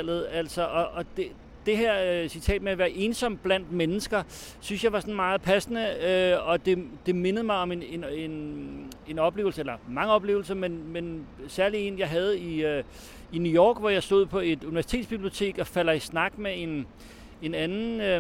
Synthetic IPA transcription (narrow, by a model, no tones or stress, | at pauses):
l̰ð̩ˠæl̰sɒ̽ʔɒ̽ʔɒ̽d̥e | d̥e̝ɦæɐ̰sit͡sʰɛ̰ːd̥meæʋæːɐʔe̝ːnsɒ̽m̰b̥læn̰d̥menəsɡ̥ɐ | synsjɑ̈ɪʋɑ̈sɒ̽nmɑ̈ːð̩ˠpʰæsənəøɒ̽d̥e̝d̥e̝me̝nəð̞̩ˠmɑ̈ɪɒ̽menenen | e̝nɒ̽b̥le̝ːʊl̩səelɐmɑ̈ŋəɒ̽b̥le̝̰ʊl̩sɐmenmensæɐlie̝ːnjɑ̈ɪɦæð̞̩ˠi | inujɒ̰ːɡ̥ʋɒjɑ̈ɪsd̥o̝ð̰ˠpʰɒ̽e̝d̥uniʋæɐsi̥e̝̰ːd̥̪ˠsb̥ib̥lio̝t͡sʰe̝̰ːɡ̥ɒ̽fæl̰ɐisnɑ̈ɡ̥mee̝n | enænn̩ø